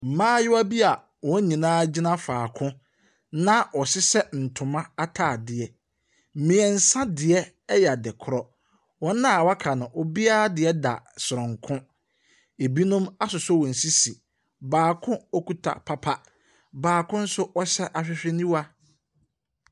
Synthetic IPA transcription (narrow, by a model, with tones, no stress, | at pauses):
m̩˨mãː˦jɪ˦wa˦bi˦a˨ | wɔ̃˨˦ɲĩ˨nãː˦d͡ʑi˦nã˦faː˨kʰʊ̃˦ | nã˦ɔ˨ɕɪ˦sɛ˦n̩˨tʰʊ̃˨mã˦a˦tʰaː˦˨dɪ˨ɛ˨ | m̩˦mĩ˨ɛ˨n̩˨sã˦dɪ˨ɛ˦ | jɛ˨a˨dɛ˨kʰʊ˨ɾɔ˦ | wɔ̃˦nã˦˨wa˦kʰa˨nʊ̃˨ʔɔ˦bi˦a˦a˦dɪ˨ɛ˦da̰˨sʊ˨ɾʊ̃˨ŋkʰʊ̃˦ | e˨bi˦nʊ̃˦ma˦sʊ˨sɔ˦wɔ̃˨n̩˨si˦si˨ | baː˨kʰʊ̃˦ɔ˦kʰu˦tʰa̰˨pʰa˦pʰa˦ | baː˨kʰʊ̃˦n̩˦sʊ˦ʔɔ˦ɕɛ˦ʔa˨ɕᶣɪ˦ɕᶣɛ˦nĩ˦wa˦